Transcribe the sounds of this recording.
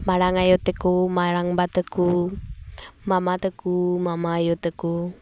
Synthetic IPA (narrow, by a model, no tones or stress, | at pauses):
maɾaŋajot̪əkumaɾaŋbat̪əku | mamat̪əkumamaːjot̪əku